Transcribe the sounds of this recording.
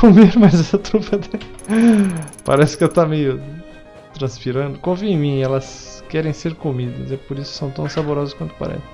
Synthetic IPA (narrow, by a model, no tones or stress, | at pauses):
komeɾmɐzɛsɐt̪ɾupɐd̪ɛ | pa̰ɾɛsɪ̥kɪewt̪amejʊ | t̪ɾɐ̃spiɾɐ̃nd̪ʊkõvĩẽmĩɛlɐskɛɾẽj̃seɾkomid̪ɐ̰zɛpoɾisʊksɐ̃w̃t̪ɐ̃w̃saboɾɔzɐskwɐ̃nt̪ʊ̥pa̰ɾɛ̰sẽ